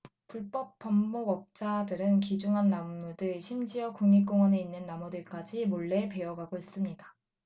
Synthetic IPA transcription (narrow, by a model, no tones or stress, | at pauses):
puɭp͈ʌp̚p͈ʌmboɡʌk̚t͡ɕ͈adɯɾɯnkid͡ʑuŋɦanːamnudɯɭɕʰimd͡ʑiʌkuŋɲik̬͈oŋwʌne̞inːɯnːamʌdɯɭk͈ad͡ʑimoɭːe̞pe̞jʌɡaɡois͈ɯmɲida